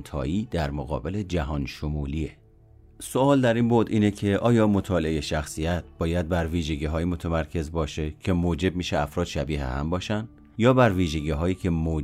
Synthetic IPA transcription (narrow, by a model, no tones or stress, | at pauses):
nt̪ʰɒ̰ːjiːd̪̥æɾmoɣɒ̰ːbe̞le̞d͡ʒæɦɒːnʃomuːlie | soɒːld̪æɾinbod̪iːnecʰeʔɒːjɒːmo̞t̪ʰɒːleʔejeʃæxsijæt̪̚ʰb̥ɒːjæd̪̚bæɾviːʒe̞ɡiːɦɒːjimot̪ʰæmæɾcʰe̞zbɒːʃe̞cʰe̞moːd͡ʒe̞b̚miːʃeæfɾɒːd̪ʃæbiːhḛhæ̰mbɒːʃænd̪ | jɒːbæɾviːʒeɟiːɦɒːjiːcʰe̞moː